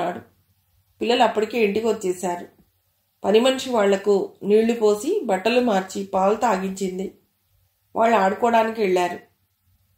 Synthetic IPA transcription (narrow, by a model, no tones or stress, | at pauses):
aːɽu | pilːɐluɐpːɐɽike̞ːiɳʈikʋot͡ʃːɛːsaːɾu | pɐnimɐnʂiʋaːɭːɐkuniːɭupo̞ːsibɐʈːɐlumaːɾt͡ʃipaːlt̪aːɡiɲt͡ʃind̪i | ʋʔa̰ːɭːɐaːɽukɔːɽaːnikiʋɛɭːaːɾu